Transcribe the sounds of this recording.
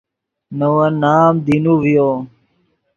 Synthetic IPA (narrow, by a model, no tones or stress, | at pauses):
nəwãnaːmd̪inuːʋijo